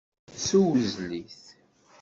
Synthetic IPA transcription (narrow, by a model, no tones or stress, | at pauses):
suwuzliθ